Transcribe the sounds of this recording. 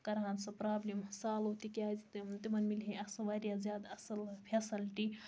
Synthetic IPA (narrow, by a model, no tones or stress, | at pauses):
kɐɾɦansɐpɾaːblimsaːlot̪ikaːzit̪it̪imɐnmilɦeɐsɐʋaːɾʲjazʲjaːd̪ɐsɐlpʰesɐlʈi